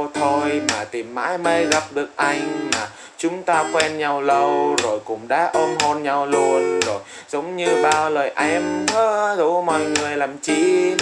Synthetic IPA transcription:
t̪ʰo˧jmaː˨˩t̪i˨˩mːa̰ː˧˥jmə˧˦jɣa˨˩p̚ɗɨ˨˩ək̚ʔa˧jŋ̟maː˨˩ | t͡ɕʊ˨˦ŋ͡mt̪aː˧xwɛ˧nɲa˧wlə˨˩wzo˨˩jkʊ̰˧˥ŋ͡mɗa̰ː˧˥ʔə˧nɦo˧nɲa˧wlu˧ənzo˨˩jj | zə˨˦wŋ͡mɲɨ˧ɓaː˧˩wləː˨˩jʔɛ˧mː˧˦zu˧˩mɔ̰˧˨jŋɨ˨˩əjlaː˨˩mt͡ɕi˧

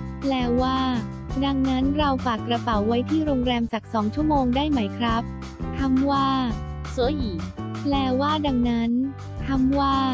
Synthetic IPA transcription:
lɛː˨˦˥waː˥˩ | da˧ŋna˦˥nɾa˧wfaː˨˩kːɾa˧pa˩˦wːa˦˥jt̪ʰiː˥˩ɾoː˧ŋɾɛː˧msa˨˩k̚sɔː˩˦ŋt͡ɕʰu˥˩əmoː˧ŋdaː˥˩jma˦˥jkʰɾa˦˥p̚ | t̪ʰa˧˥mwaː˥˩ | sɯ˨˩˦jiː˨˩lɛː˧˩waː˥˩da˧ŋna˦˥n | t̪ʰa˧mwaː˥˩

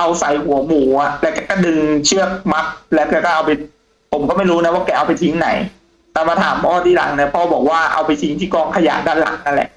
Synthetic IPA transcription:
ʔa˧wsa˨˩˦jhu˨˩˦ɐmuː˩˦a˨˩lɛ˦˥wkɛː˧kɔː˥˩dɯ˧ŋt͡ɕʰɯ˥˩ək̚ma˦˥p̚lɛː˦˥wkɛː˧˩kɔː˥˩ʔa˧wpa˧j | pʰo˨˩˦mkɔ˥˩ma˥˩jɾuː˦˥na˧˦˥waː˥˩kɛː˧ʔa˧wpa˧jt̪ʰi˦˥ŋna̰˨˩˦j | t̪ɛː˨˩˦maː˧t̪ʰa̰ː˩˦mpʰɔː˥˩t̪ʰiː˥˩la̰˨˩˦ŋni˧˩ɐpʰɔː˦˥˩bɔː˨˩k̚waː˥˩ʔa̰˧wpa˧jt̪ʰi˦˥ŋt̪ʰiː˥˩kɔː˧ŋkʰa˧ja̰ː˨˩˦daː˥˩nla̰˩˦ŋna˦˥nlɛ̰˨˩ʔ

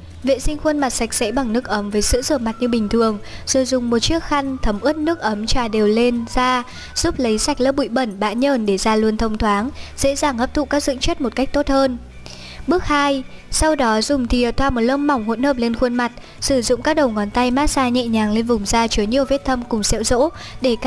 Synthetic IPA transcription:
vḛ˧˨sï˧ŋ̟xwu˧ənma˨˩t̚sa˨˩jk̟̚sɛ̰˧˥ɓa˨˩ŋnɨ˦˥ək̚ʔə˨˦mvəː˨˦jsɨ̰˧˥zəː˧˩ma˨˩t̚ɲɨ˧ɓï˨˩ŋ̟t̪ʰɨ˨˩əŋz̥o˨˩jzʊ˨˩ŋ͡mmo˨˩t̚t͡ɕɨ˦˥ək̚xa˧ŋ̟t̪ʰə˨˦mʔɨ˦˥ət̚nɨ˦˥ək̚ʔə˨˦mt͡ɕaː˧˩ɗe˨˩wle˧nzaː˧ | z̥u˦˥p̚lə˨˦jsa˨˩jk̟̚lə̰˧˥p̚ɓṵ˧˨jɓə˧˩nɓa̰ː˧˥nɲəː˧˩nɗe˧˩zaː˧lwənt̪ʰə˧wŋ͡mt̪ʰwaː˨˦ŋz̥ḛ˧˥zaː˨˩ŋʔə˦˥p̚t̪ṵ˧˨kaː˦˥k̚zɨ̰˧˥əŋt͡ɕə˦˥t̚mo˨˩t̚ka˦˥jk̚t̪o˦˥t̚həː˧n | ɓɨ˦˥ək̚haː˧jsa˧wɗɔ˨˦zʊ˨˩ŋ͡mt̪ʰi˨˩ə˨˩t̪ʰwaː˧˩mo˨˩t̚ləː˧mːa˨˩wŋ͡mhṵ˧˥ənhəː˨˩p̚le˧nxwu˧ənma˨˩t̚ | sɨ˧˩zʊ̰˧˨ŋ͡mkaː˦˥k̚ɗə˨˩wŋɔ˨˦nt̪a˧jmaː˦˥t̚saː˧ɲɛ̰˧˨ɲaː˨˩ŋle˧nvʊ˨˩ŋ͡mzaː˧t͡ɕɨ˨˦ɲi˧˨əwvi˦˥t̚t̪ʰə˧mkʊ˨˩ŋ͡msɛ̰˧˥wzo̰˧˥ | ɗe˧˩kː

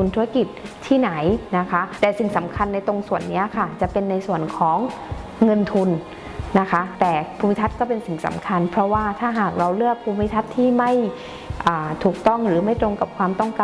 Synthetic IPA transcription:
u˧nt̪ʰuː˦˥a˧ki˨˩t̪̚ʰiː˥˩na˩˦jna˦˥kʰa˦˥t̪ɛː˨˩si˨˩ŋsa˩˦mkʰa˧nːa˧jt̪o˧ŋsu˨˩ənːi˦˥ɐkʰa˥˩t͡ɕa˨˩pe˧nːa˧jsu˨˩ənkʰɔː˩˦ŋː | ɤ˧nt̪ʰu˧nː | a˦˥kʰa˦˥t̪ɛː˨˩pʰu˧mi˦˥t̪ʰa˦˥t̪̚kɔː˥˩pe˧nsi˨˩ŋsa̰˩˦mkʰa˧npʰɾɔ˦˥waː˥˩t̪ʰaː˥˩ɦaː˨˩k̚ɾa˧wlɯ˥˩ək̚pʰuː˧mi˧˥t̪ʰa˦˥t̪ʰːiː˥˩ma˥˩j | ʔaː˨˩t̪ʰuː˨˩k̚t̪ɔ˥˩ŋɾɯː˩˦ma˥˩jt̪ɾo˧ŋka˨˩p̚kʰwaː˧mt̪ɔ˥˩ŋkaː˧

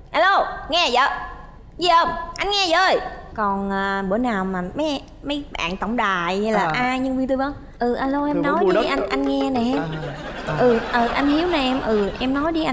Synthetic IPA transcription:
ʔaː˧lo˧ŋɛ˧zəː˨˩ | zi˧əː˧˩mʔa˧jŋŋɛ˧zəː˧˩jkɔ˨˩nʔəː˨˩ɓɨ˧˩ənaː˨˩wmaː˨˩mə˨˦j | mə˨˦jɓa̰ː˧˨ŋt̪ə˧˩wŋ͡mɗaː˨˩˨jha˧jlaː˨˩ʔaː˧ɲɨ˧ŋvi˧t̪u˧və˧ŋ | ʔɨ˨˩ʔaː˧lo˧ʔɛ˧mnɔ˨˦ji˧ʔa˧ŋʔa˧jŋ̟ŋɛ˧nɛ˨˩˦ | ʔɨ˨˩ʔəː˨˩ʔa˧jŋ̟hi˨˦əwna˨˩ʔɛ˧mʔɨ˨˩ʔɛ˧mnɔ˨˦jɗi˧ʔa˧

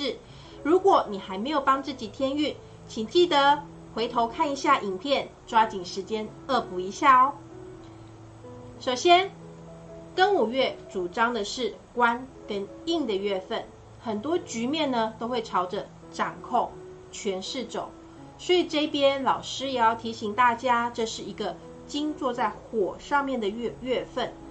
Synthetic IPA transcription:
ʂɻ̩˥˩ | ɻu˧˥kwɔ˨˩ni˨˩xa˧˥ɪme˧˥ɪjo˨˩ʊpɑ˥ŋt͡sɹ̩˥˩t͡ɕi˨˩t̪ʰjɛ˥ny˥˩ | t͡ɕʰi˨˩ŋt͡ɕi˥˩d̪ə˦ | xwe˧˥ɪt̪ʰo˧ʊkʰa˥˩ni˧˥ɕja˥˩ʔi˨˩ŋpʰjɛ˥˨n | ʈ͡ʂwa˥t͡ɕi˨˩ŋʂɻ̩˧˥t͡ɕjɛ˥n | ə˥˧pu˧˥i˧˥ɕja˥˧˩ɔ˨˦ | ʂo˨˩ʊɕjɛ˥n | kə˥ŋu˨˩ɥɛ˥˩t͡su˨˩ʈ͡ʂɑ˥ŋd̪ə˨ʂɻ̩˥˩ | kwa˦˥n | kə˥n | i˥˩ŋd̪ə˨ɥɛ˥˧fə˥˩n | xə˨˩nt̪wɔ˥t͡ɕy˧˥mjɛ˥˩nnə˨t̪o˥ʊxwe˥˩ɪʈ͡ʂʰɑ˧˥ʊʈ͡ʂə˧ | ʈ͡ʂa˨˩nkʰo˥˩ŋ | t͡ɕʰɥɛ˧˥nʂɻ̩˥˩ʈ͡ʂo̰˨˩˦ʊ | swɔ˧˥i˨˩ʈ͡ʂɤ˥˧i˨˥pjɛ˥˦nlɑ˨˩ʊʂɻ̩˥jɛ˨˩jɑ˥˩ʊt̪ʰi˧˥ɕi˨˩ŋt̪a˥˩t͡ɕja˥ʈ͡ʂɤ˥˧ʂɻ̩˥˩i˧˥ɡə˧ | t͡ɕi˥ŋt͡swɔ˥˧t͡sa˥˩ɪxwɔ˨˩ʂɑ˥˧ŋmjɛ˥˩nd̪ə˩˥˧ɥɛ˥˧fə˥˩n

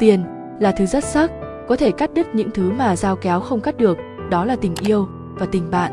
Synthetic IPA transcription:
t̪i˧ən | laː˨˩t̪ʰɨ˨˦zə˦˥t̚sə˦˥t̚ | kɔ˨˦t̪ʰe˧˩ka˦˥t̚ɗɨ˦˥k̚ɲɨ̰˧˥ŋt̪ʰɨ˨˦maː˨˩zaː˧wkɛ˨˦wxə˧wŋ͡mka˦˥t̚ɗɨ˨˩ək̚ | ɗɔ˨˦laː˨˩t̪ï˨˩ŋ̟ʔi˧əw | vaː˨˩t̪ï˨˩ŋ̟ɓa̰ː˧˨nʔ

